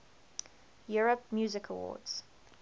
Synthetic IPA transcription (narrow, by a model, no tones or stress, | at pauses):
juːɹəpmjuːzɪkʰəwɔ̰ːdz̥